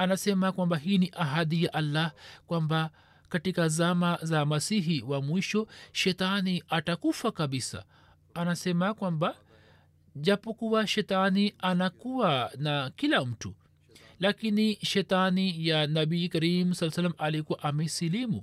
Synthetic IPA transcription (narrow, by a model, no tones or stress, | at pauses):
anasɛmakwambaɦiːniʔaɦaɗijaʔalːahkwamba | katikazamazamasiɦiwamwiʃɔʃɛtaniatakufakaɓisa̰ | anasɛmakwamba | ʄapɔkuwaʃɛtanianakuwanakilam̩tu | lakiniʃɛtanijanabiikaɾimusalːasalːamalikuwaʔamɛsilimṵ